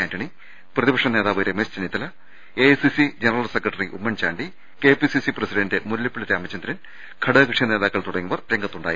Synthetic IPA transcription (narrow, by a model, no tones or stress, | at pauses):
aːndɐɳi | prɐðibɐkʂɳɐne̞ːðaːʋɐɾemest͡ɕɐnit̪ːɐlɐ | esisid͡ʑenɐrɐlsekrɐʈːɐriʔumːɐnt͡ɕaːɳɖi | ke̞ːpisisiprɐsiɖɐndemulːjɐpːiɭɐt̪jaːmɐt͡ɕːɐnd̪ɾɐn | kʰɐɽɐːkɨʂjɐne̞ːðaːkːɐɭt̪uɽɐŋːuʋɐrɾeŋɡɐt̪ːuɳɖaːji